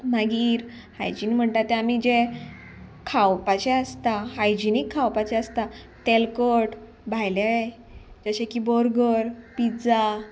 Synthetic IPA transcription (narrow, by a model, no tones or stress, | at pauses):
maɡiːɾ | hajd͡ʑinm̤əɳt̪at̪ːɛamid͡ʑe | kʰawpat͡ɕɛəst̪aɦajd͡ʑinikʰːawpat͡ɕɛəst̪a | t̪elkəʈ | bʱajlaa | d͡ʑəɕekibɔɾɡəɾpid͡za